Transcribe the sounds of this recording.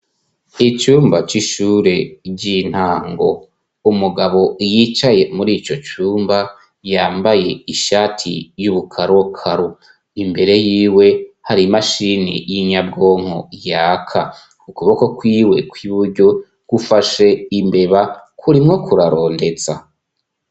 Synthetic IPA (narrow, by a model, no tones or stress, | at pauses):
it͡ʃuːmbat͡ʃiʃuɾe̞ɟin̥haːŋɡo̞̰ | umuɡaβo̞jit͡ʃaje̞muɾiːt͡ʃo̞t͡ʃuːmba | jaːmbaje̞iʃaːtʰḭjuβukʰaɾwokʰaɾo | imbe̞ɾe̞jiːwe̞haɾimaʃiːnḭjiɲab̚ɡo̞ːŋ̥ho̞̰jaːkʰa | ukuβoko̞kwiːwe̞kwiβuɾɟo̞ | ɡ̥ufaʃe̞imbe̞βakʰuɾimŋo̞kʰuɾaɾo̞ːnde̞za̰